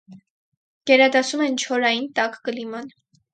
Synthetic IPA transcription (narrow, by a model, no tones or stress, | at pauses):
ɡ̥ɛɾɑd̪ɑsumɛnt͡ʃʰɔɾɑjint̪ɑkkəlimɑn